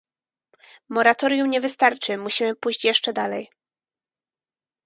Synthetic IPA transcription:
mɔɾat̪ɔɾʲjumɲɛvɘst̪aɾt͡ʂɘmuɕimɘpujɕt͡ɕjɛʂt͡ʂɛd̪alɛj

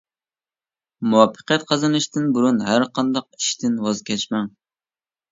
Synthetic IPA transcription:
muwɑpʰːə̥qjɛt̪̚qʰɑzɨnɨʃt̪ɪnbuɾunɦæɾqʰɑnd̪ɑq̚i̥ʃt̪ʰɪnwɑzkʲʰɛt͡ʃmɛŋ

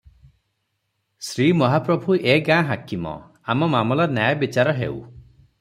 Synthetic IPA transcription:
sɾimɔɦapɾɔbʱuʔeɡãɦakimɔ̰ | amɔmamɔlanjajabit͡ʃaɾɔɦḛw

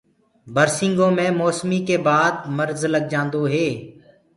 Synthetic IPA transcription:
bəɾsɪ̃ŋɡõːmẽːmɔːsmiːkeːbaːd̪̚məɾzləɡ̚d͡ʒãːnd̪oːɦeː

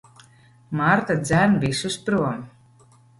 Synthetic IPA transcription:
maɾt̪ad̪zænbisuspɾuɔm

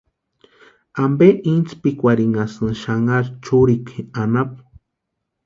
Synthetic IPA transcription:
ambeʔint͡spikʷaɾiŋasɨʃaŋaɾt͡ʃuɾikʰianap

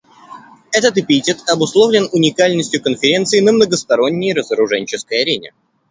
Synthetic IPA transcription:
ɛt̪ət̪ɪpʲitʲɪt̪ɐbʊslˠovlʲɪnʊnʲɪkalʲnəsʲtʲjʊkənfʲɪɾʲe̞nt̪sɨɪnəmnəɡəst̪ɐɾo̞nʲːɪjɾəzəɾʊʐɛnʲt͡ɕɪskəjɐɾʲenʲɪ̰

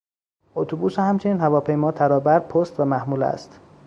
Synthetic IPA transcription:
ot̪ʰobuːsehæmt͡ʃʰeniːnhævɒːpʰe̞jmɒːt̪ʰæɾɒːbæɾpʰost̪væmæhmuːlæ̰st̪

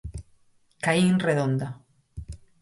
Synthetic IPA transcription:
kainreðõnd̪a

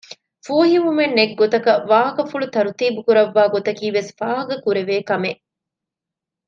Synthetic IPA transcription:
fuːɦiʋumenːeɡːot̪ɐkɐʋaːɦɐkɐfuɭut̪ɐɾut̪iːbukuɾɐʋːaːɡot̪ɐkiːʋesfaːɦɐkɐkuɾeʋeːkɐmeʔ

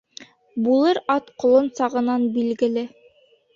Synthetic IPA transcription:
bulˠɤɾɑt̪qŏlˠonsɑʁɤ̆nɑnbilɡɘ̆lɘ

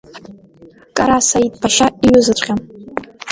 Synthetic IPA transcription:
kʼaɾasait̚ʼpʰaʃaiɥʊzɨt͡ɕʷʼqʲam

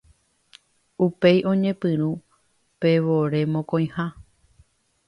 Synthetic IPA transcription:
upe̞jʔõ̞ɲẽ̞pɨ̃ɾ̃ũ | pe̞ʋoɾe̞mõkõj̃ha

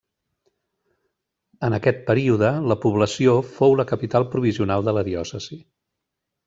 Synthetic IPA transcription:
ənəkɛt̪̚pəɾiuðələpuβləsiofowləkəpit̪alˠpɾuβ̞iziunalˠd̪ələðiɔsəz̥i

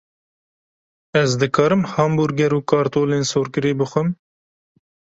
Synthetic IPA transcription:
ɛzd̪ɨkʰɑːɾɨmhɑːmbuɾɡɛɾuːkɑːɾt̪oːleːnsoːɾkɨɾeːbɨxʷɨm

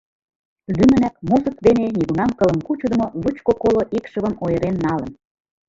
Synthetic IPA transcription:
lymə̆næk̚muzə̆kd̪eneniɣunɑmkɤ̆lə̆nkut͡ɕud̪ə̆molut͡ɕkokoloʔikʃə̆βə̆nojə̆ɾenːɑlə̆n

